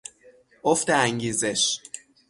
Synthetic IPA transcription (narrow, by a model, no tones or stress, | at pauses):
oft̪eæŋɟiːzeʃ